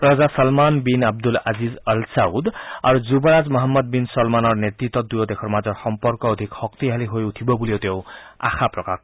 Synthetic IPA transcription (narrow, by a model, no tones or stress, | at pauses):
pɾɔzasʌlmanbinab̚d̪ulazizəlsaud̪a̰ɾuzubɔɾad͡zmɔɦɔmːɔd̪̚binsɔlmanɔɹnet̪it̪ːɔd̪ujɔd̪ekʰɔɾmazɔɾxɔmpɔɾkɔːd̪ʱikxɔkt̪iɦaliɦojut̪ʰibɔbuliot̪ew̃a̰xʰapɾɔkak